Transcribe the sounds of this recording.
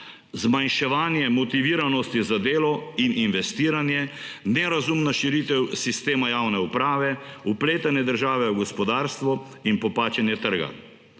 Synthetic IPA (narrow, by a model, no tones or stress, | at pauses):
zmajnʃɛʋaːnjɛmɔt̪iʋiːɾanɔst̪izad̪eːlɔininʋɛst̪iːɾanjɛnɛɾazumnaʃiɾit̪ɛwsist̪eːmajaːwnɛupɾaːʋɛupleːt̪anɛd̪əɾʒaːʋɛuɡɔspɔd̪aːɾst̪ʋɔ | inpɔpaːt͡ʃɛnjɛt̪əɾɡa̰